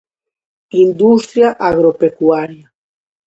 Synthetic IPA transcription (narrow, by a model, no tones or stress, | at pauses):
ind̪ust̪ɾjaʔaɣɾopekuaɾja